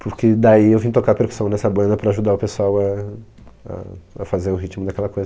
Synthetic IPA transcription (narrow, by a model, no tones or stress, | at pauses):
pʊɾkɪd̪aiewvĩʊt̪okaɾɐpeɾku̥sɐ̃w̃nɛsɐbɐ̃nd̪ɐpɾɐːʒud̪aʊpesuawɐ | ɐ̰ɐfazeɾʊɦit͡ʃimʊd̪ɐkɛlɐkojzɐ